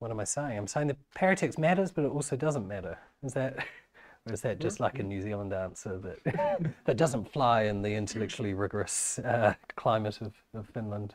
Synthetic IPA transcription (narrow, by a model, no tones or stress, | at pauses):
wʌɾə̃maɪseɪɪ̃ŋãɪ̃mseɪɪ̃ŋðɨpʰɛɹɨtʰɛksmæɾəzb̥ʌɾɨɾɔˑlˠsoʊdʌzə̃nmæɾə˞ɪzðɨt̚wətsɛt̚d̥ʒ̥ʌstˡlaɪkɨ̃njʉzilˠə̃ndæ̃nsə˞ðɨʔ̚ðɨt̚d̥ʌzə̃ntflaɪɪ̃nðiɪ̃ntʰəlɛk̚t͡ʃʉl̩ˠiɹɪɡə˞ɨsʌkʰl̥ãɪ̃mɨɾʌv̥ʌv̥fɪ̃nlə̃nd̥